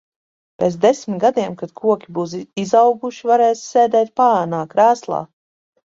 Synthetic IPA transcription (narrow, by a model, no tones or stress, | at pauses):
peːt̪d̪esmit̪ɡad̪iɛmkad̪̥kʰuɔkʲibuːsizawɡuʃivaɾɛːsseːd̪ɛːt̪̚paanaːkɾaːslˠa̰ː